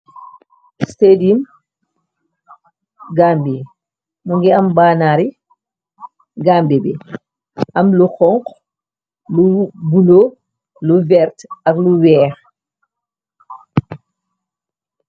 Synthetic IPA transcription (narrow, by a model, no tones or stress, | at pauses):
stedim | ɡaːmbi | muŋɡɛambanaɾi | ɡaːmbibɛ̰ | ʔamluxɔŋk | lubulo | luvɛɾtakluwɛːx